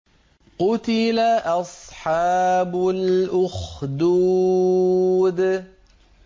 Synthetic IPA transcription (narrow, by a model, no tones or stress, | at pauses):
qʊt̪ɪlaʔɑsˤħɑːbʊlʔʊxd̪uː | d̪